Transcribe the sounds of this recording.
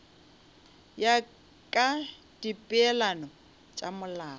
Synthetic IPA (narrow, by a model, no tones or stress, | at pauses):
ja | kʼa | d̥ipʼɪɛlanɔ | t͡ʃʼamʊlaː